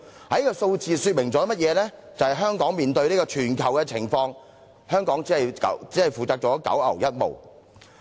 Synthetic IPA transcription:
hɐ˨˥jkɔː˧so˧wt͡siː˨˧syː˧t̚mɪ˨˩ŋt͡sɔː˨˥mɐ˥t̚jɛː˨˧lɛː˥t͡sɐ˨whjɦœː˥ŋkɔː˨˥ŋmiː˨nt̪ɵ˧ɥniː˥kɔː˧t͡ʃʰyː˨˩nkʰɐ˨˩wkɛ˧t͡sʰɪ̰˨˩ŋfɔː˧ŋ | hœː˥ŋkɔː˨˥ŋt͡siː˨˥ɐ˨jkɐ̰˨˥t͡siː˨˥hɐ˨˩jfuː˨˩t͡saː˧k̚t͡sɔː˨˥kɐ̰˨˥wɐ̰˨˩wjɐ˥t̚mo̰˨˩w

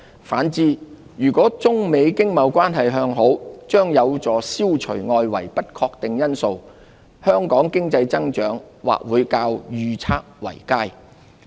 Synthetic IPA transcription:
faː˨˥nt͡siː˨˧ | jyː˨˩kʷɔː˨˥t͡sʊ˥ŋme˨˧jkɪ˥ŋmɐ˨˧wkʷaː˥nɦɐ˨jɦœː˧ŋɦo˨˥wt͡ʃœː˥ŋjɐ˨˧wt͡sɔː˨siː˥wt͡ʃʰɵ̰˨˩ɥŋɔː˧jwɐ˨˩jpɐ˥t̚kʰɔː˧k̚t̪ɪ˨ŋjɐ˥nso˨˧w | hœː˥ŋkɔː˨˥ŋkɪ˥ŋt͡sɐ˧jt͡sɐ˥ŋt͡ʃœː˨˥ŋ | wa̰ː˨˩k̚wuː˨˧jkaː˧wjyː˨t͡sʰaː˥k̚wɐ̰˨˩jkaː˥j

